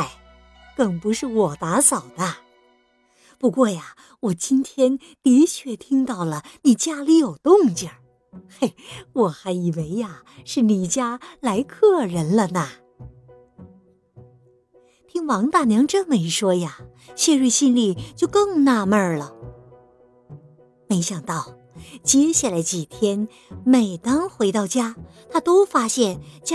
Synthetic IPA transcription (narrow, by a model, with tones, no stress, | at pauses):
a˥˩ɪ | k̪ə˨˩ŋpu˧˥ʂɻ̩˥˩wɔ˨˩t̪a˧˥sɑ˨˩ʊnə˦˧ | pu˧˥kwɔ˥˩ja˨˩ | wɔ˨˩t͡ɕi˥nt̪ʰjɛ˥n | t̪i˧˥t͡ɕʰɥɛ˥˩t̪ʰi˥ŋt̪ɑ˥˩ʊlə˩ni˨˩t͡ɕja˥li˧˥jo˨˩ʊt̪ʊ˥˧ŋt͡ɕjə˨˩ | a˥˩ɪwɔ˨˩xa˧˥ɪi˨˩we˧˥ɪja˧ | ʂɻ̩˥˩ni˨˩t͡ɕja˥la˧˥ɪkʰɤ˥˩ɻə˧˥nlə˧nɐ˩ | t̪ʰi˥ŋwɑ˧˥ŋt̪a˥˩njɑ˧˥ŋʈ͡ʂə˥nme˧˥ɪʂwɔ˥ja˨˩ | ɕjɛ˥˧ɻu˥˩ɕi˥nli˥˩t͡ɕjo˥˧ʊkɤ˥˧ŋna˥˧mə˞˥˧˩lə˩ | me˧˥ɪɕjɑ˨˩ŋt̪ɑ˥˩ʊ | t͡ɕjɛ˥ɕja˥˩la˧˥ɪt͡ɕi˨˩t̪ʰjɛ˥n | me˨˩ɪt̪ɑ˥ŋxwe˧˥ɪt̪ɑ˥˩ʊt͡ɕja˥ | t̪ʰa˥t̪o˥ʊfa˥ɕjɛ˥˩nt͡ɕa˥